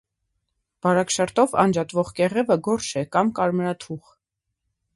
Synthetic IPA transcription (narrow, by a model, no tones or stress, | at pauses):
b̥ɑɾɑkʃɑɾt̪ɔvɑ̰nd͡ʒɑt̪vɔʁkɛʁɛvəɡɔɾt͡ʃʰɛkɑmkɑɾmɾɑt̪ʰuʁ